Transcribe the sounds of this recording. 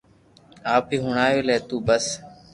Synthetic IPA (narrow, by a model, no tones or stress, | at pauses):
aːp̚iːɦʊɳaːjoːleːt̪uːbəs